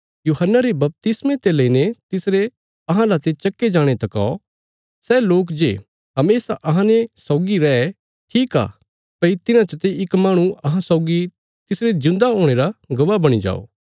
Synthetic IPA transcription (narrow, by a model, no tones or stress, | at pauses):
juːɦənːaɾebɐp̚t̪ɪsmẽt̪elɐinet̪ɪsɾe | ɐɦãlat̪et͡ʃɐkːed͡ʒaːɽ̃et̪ɐka̰o | sɛːloːk̬d͡ʒḛː | ɦɐmeːsaʔɐɦãnesɔːɡiɾɛː | ʈʰiːka̰ː | pɐit̪ɪnãt͡ʃət̪eɪkmaːɽ̃ũɐɦãsɔːɡi | t̪ɪsɾezɪ̃nd̪aɦoːɽ̃eɾaɡɐʋabɐɽ̃id͡ʒa̰ːo̰ː